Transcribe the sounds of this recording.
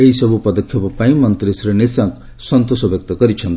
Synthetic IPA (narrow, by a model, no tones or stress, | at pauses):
eɦisʌbupʌd̪ʌkʰːjipʌpaĩmʌnt̪ɾisrenisak | sʌnt̪osʌbjʌk̚t̪ʌɡʌɾit͡sʰʌnt̪ʰ